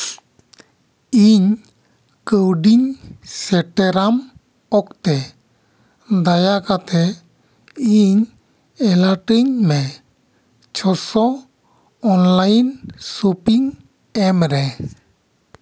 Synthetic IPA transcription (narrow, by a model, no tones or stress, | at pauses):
iɲ | kəwɖiɲsɛʈɛɾam | ɔkt̪ɛ | d̪ajakat̪ɛ | iɲ | ɛlaʈəɲmɛ | t͡ʃʰɔsɔː | nlajnsopiŋ | ɛmɾɛ